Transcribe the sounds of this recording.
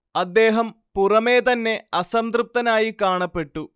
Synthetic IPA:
ɐd̪ːeːɦɐmpurɐme̞ːt̪̬ɐnːe̞ɐsɐmt̪rɨp̚t̪ɐnaːjikaːɳɐpːe̞ʈːu

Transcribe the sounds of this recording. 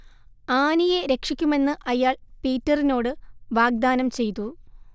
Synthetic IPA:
aːnijeɾe̞kʂikʲːume̞nːɨʔɐjaːɭpiːtːɐrino̞ːɽɨʋaːɡ̚d̪aːnɐmt͡ɕe̞jt̪u

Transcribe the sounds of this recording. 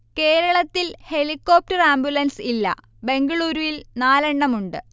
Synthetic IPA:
ke̞ːɾɐɭɐt̪ːilhe̞likːo̞ːp̚ʈɐraːmbjulɐnsilːɐ̰ | be̞ŋɡɐɭuːɾuʋilnaːlɐɳːɐmuɳɖɨ

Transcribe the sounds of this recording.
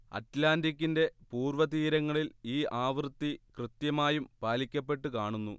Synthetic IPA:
ɐ̰tlaːndik̬ʲːinde̞puːrʋɐt̪iːɾɐŋːɐɭiliːʔaːʋrt̪ːikrɨt̪jɐmaːjumpaːlikʲːɐp̬ːe̞ʈːukaːɳunːṵ

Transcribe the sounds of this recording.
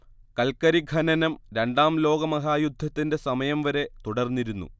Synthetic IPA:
kɐlkɐɾiɡʱɐnɐnɐmɾe̞ɳɖaːmlo̞ːɡɐmɐɦaːjud̪ʱːɐt̪ːinde̞sɐmɐjɐmʋɐɾe̞t̪uɽɐrnːiɾunːṵ

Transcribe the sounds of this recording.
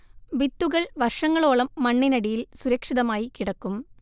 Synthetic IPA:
ʋit̪ːuɣɐɭʋɐrʂɐŋːɐɭo̞ːɭɐmːɐɳːinɐɽijilsuɾɐkʂiðɐmaːjikiɽɐkːum

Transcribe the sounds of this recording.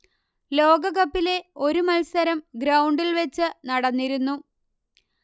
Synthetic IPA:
lo̞ːɡɐɣɐpːile̞o̞ɾumɐlsɐɾɐmɡɾɐwɳɖilʋet͡ɕːɨnɐɽɐnːiɾunːu

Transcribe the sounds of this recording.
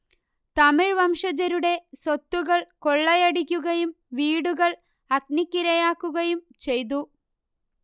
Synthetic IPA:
t̪ɐmiɻʋɐmʂɐd͡ʑɐɾuɽe̞sot̪ːuɣɐɭkoɭːɐjɐɽikʲːuɣɐjum | ʋiːɽuɣɐɭ | ɐk̚nikʲːiɾɐjaːkːuɣɐjumt͡ɕe̞jt̪̬u

